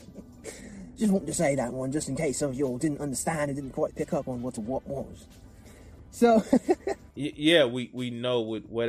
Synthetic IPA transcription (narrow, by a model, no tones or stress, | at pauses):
d͡ʒ̥ʌstwɑ̃ntɪ̃tʰɨseɪðəʔ̚wʌ̃nd͡ʒʌstn̩kʰeɪsʌvjəlˠdɪdⁿn̩tʌ̃ndə˞stæ̃ndɨt̚dɪdⁿn̩kʰwaɪt̚pʰɪkʌpn̩wʌtəwʌʔ̚wʌz̥ | soʊ | jjæwiwinoʊwɪdwʌɾ